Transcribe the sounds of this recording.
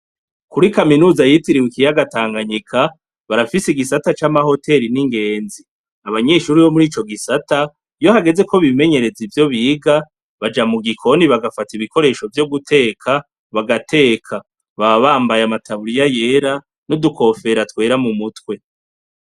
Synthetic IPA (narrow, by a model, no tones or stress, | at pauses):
kuɾikaminuːzajitiɾiwikijaɡataːŋɡaɲikʰa | βaɾafisiɡisatat͡ʃamaho̞tʰe̞ɾiniŋɡe̞ːnzi | aβaɲe̞ːʃuːɾiβo̞muɾiːt͡ʃo̞ɡisata | jo̞haɡe̞ze̞ko̞βime̞ɲe̞ɾe̞zivjo̞βiːɡa | βad͡ʒamuɡikʰo̞niβaɡafatiβiko̞ɾe̞ːʃo̞vjoɡutʰe̞ːkʰa | βaɡatʰe̞ːkʰa | βaβaːmbajamatʰaβuɾijaje̞ːɾa | nodukʰo̞fe̞ɾatwe̞ːɾamumutwe̞